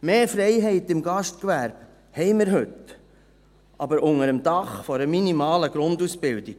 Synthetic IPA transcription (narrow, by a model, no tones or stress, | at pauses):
meːfɾɛɪɦɛɪtɪmɡɑʃtkʋæɾb̥ | hɛɪməɾɦɵt | ʔɑbəɾʔʊŋəɾəmd̥ɑχfɔɾəminimɑːləɡ̥ɾʊndusbɪld̥iɡ̥